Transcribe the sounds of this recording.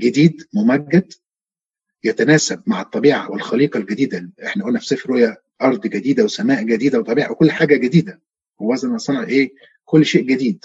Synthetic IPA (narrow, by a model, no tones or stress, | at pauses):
ɡed̪iːd̪mʊmæɡːæd̪ | jæt̪ænæːsæb̚maʕɑt̪ˤːɑbiːʕa̰welxɑliːqɑlɡæd̪iːd̪æʔeħnæʔolnæfi̥sˤefɾhojæ | ʔɑɾˤd̪ˤɡæd̪iːd̪æwesæmæːʔɡæd̪iːd̪æwet̪ˤːɑbiːʕawekolːħaːɡæɡed̪iːd̪æ | howːæzænʔɑsˤɑnɑʕʔeː | kolːʃeːʔɡed̪iːd̪̚